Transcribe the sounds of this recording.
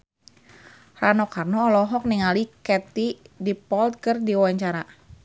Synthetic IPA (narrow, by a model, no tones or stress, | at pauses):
ranɔkʰarnɔːlɔɦɔk̚niŋalikɛt̪idipɔlt̪̚kɨrdiwaɲt͡ʃaɾa